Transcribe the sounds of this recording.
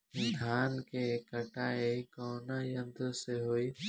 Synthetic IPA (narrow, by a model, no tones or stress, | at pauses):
d̪ʱaːnkeːkəʈaːekoːnaːjə̃nd̪seːɦoːiː